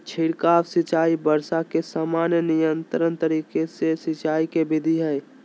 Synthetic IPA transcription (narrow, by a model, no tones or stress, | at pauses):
t͡ʃʰiɽkaːwsɪt͡ʃaːibəɾsakesaːmaːnjənɪjənt̪ɾənt̪əɾiːkesesɪt͡ʃaːikebɪd̪ʱiɦɛɪ